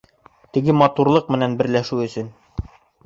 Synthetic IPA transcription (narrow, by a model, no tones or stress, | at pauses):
t̪ɘ̆ɡɘmɑt̪uɾlˠɤq̚mɘ̆nænbɘ̆ɾlæʃʉɵ̆sɵn